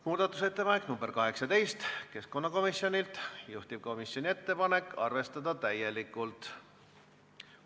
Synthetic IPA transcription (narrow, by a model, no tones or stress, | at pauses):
muːd̪̥ɑt̪ːˑuse̞t̪ːe̞pɑne̞knumb̥e̞rkɑɦe̞ksɑt̪e̞jst̪ke̞sko̞nːɑko̞misːjo̞nʲilt̪juht̪ib̥̚ko̞misjo̞nʲie̞t̪ːe̞pɑne̞kːˑɑ̰rve̞st̪ɑd̪̥ɑt̪æje̞likːˑult̪